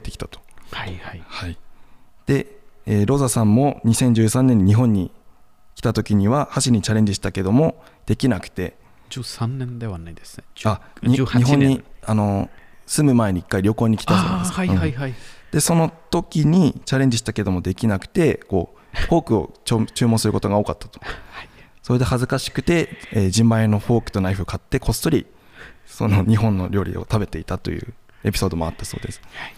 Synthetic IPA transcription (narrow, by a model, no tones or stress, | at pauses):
t̪ekʲi̥t̪ḁt̪o̥haaihai | d̪̥e̞eːɾo̞zasãmːo̞ɲ̟isẽ̞ɲ̟d͡ʑɨːsãnːẽ̞ɲ̟ːiɲiɦõ̞ɲ̟ːi | kʲi̥t̪at̪o̞kʲiɲ̟iβahaɕiɾʲiɲit͡ɕaɾẽ̞ɲ̟d͡ʑiɕi̥t̪ake̞d̪o̞mo̞ | d̪̥e̞kʲinakɯ̟̥t̪e̞̰ | anẽnd̪eβanaid̪esaɲiɲiɦõɲɲːiano̞sɨmɯ̟mae̞ɲ̟iikːaiɾʲo̞ko̞ːɲ̟ikʲi̥t̪a̰masɯ̃ad̪̥e̞so̞no̞t̪o̞kʲiɲ̟it͡ɕaɾe̞ɲ̟d͡ʑiɕi̥t̪ake̞d̪o̞mo̞d̪e̞kʲinakɯ̟̥t̪e̞ko̞ːɸo̞ːkɯ̟o̞̰t͡ɕot͡ɕɨːmõ̞sɨɾɯ̟ko̞t̪o̞ɡao̞ːkat̪ːḁt̪o̥ | so̞ɾed̪e̞hazɨkaɕi̥kɯ̟t̪e̞eːd͡ʑĩmbãenːo̞ɸo̞ːkɯ̟̥t̪o̞naiɸɯkat̪ːe̞kʰo̞sɨ̥t̪o̞ɾʲi | so̞no̞ɲ̟iɦõ̞nːo̞ɾʲo̞ːɾʲḭo̞̰t̪abe̞t̪e̞it̪at̪o̞̰jɯ̟̰ː | e̞pʲi̥so̞ːd̪o̞mo̞at̪ːaso̞̰ːd̪e̞sɨ̥